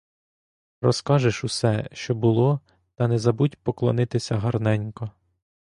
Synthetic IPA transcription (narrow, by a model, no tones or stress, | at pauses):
rɔskɑʒɪʃusɛʃt͡ʃɔbʊlˠɔ | t̪ɐnɛzɐbutʲpɔklˠɔ̰nɪt̪ɪsʲɐɦɐrnɛnʲkɔ